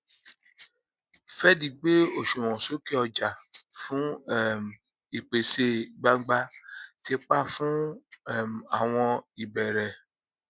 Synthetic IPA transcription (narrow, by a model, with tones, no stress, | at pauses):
fɛ˦di˧ɡ͡be˦o˨ʃu˨w̃ɔ̃˨so˦ke˦ɔ˧d͡ʒa˨fũ˦˨m˨ | i˨k͡pe˨se˧ɡ͡ba˧˦ɡ͡ba˧ti˦e˦k͡pa˦˨fũ˦˨ | ma˨w̃ɔ̃˧i˨bɛ˨ɾɛ˨